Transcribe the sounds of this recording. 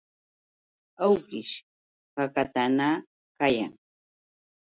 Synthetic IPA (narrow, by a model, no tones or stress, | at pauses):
awkɪʃ | kakat̪ana | kaja̰ŋ